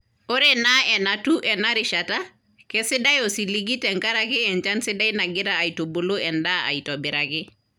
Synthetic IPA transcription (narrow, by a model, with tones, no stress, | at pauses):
o˦ɾenaɛ˨natu˦ʔɛ˨na˦ɾiʃata˦ | ke˦sɪ˦da˦jo˨si˨li˦ɡi˦tɛ˨ŋka˦ɾaki˦ɛ˨ɲt͡ʃa˦nsi˦da˦jna˨ɡɪ˦ɾaː˨ito˨bo˨lo˦ɛ˨nda˦a̰˨ito˨biɾaki˦